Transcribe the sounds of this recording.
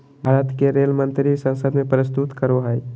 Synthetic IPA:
bʱaɾət̪keɾelmə̃nt̪ɾisə̃nsəd̪mẽpɾəst̪ut̪kəɾoɦəj

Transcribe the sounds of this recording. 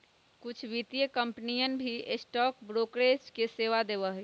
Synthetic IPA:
kʊt͡ʃʰʋit̪ijəkəmpnijənbʱiesʈɔːkbɾoːkɾesʈkeseʋad̪ebəɦ

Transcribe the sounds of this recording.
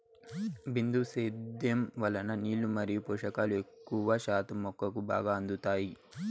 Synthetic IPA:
bind̪useːd̪jɐmʋɐlɐnɐniːlumɐɾijupuːʂɐkaːluekːuʋaːʃaːt̪ɐmːɔkːɐkuba̰ːɡaːɐnd̪ut̪aːji

